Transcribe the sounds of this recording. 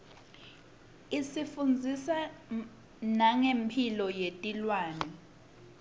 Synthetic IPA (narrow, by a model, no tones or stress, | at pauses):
isifund͡zʱisa | naŋempʰilɔjetʼilwaːnɛ